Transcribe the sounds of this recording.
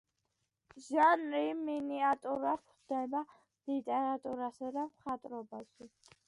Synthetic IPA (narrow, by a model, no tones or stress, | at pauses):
ʒanɾiminiat̪ʼuɾapʰd̪ɛba | lit̪ʼɛɾat̪ʼuɾasad̪amχat̪ʼɾɔbaʃi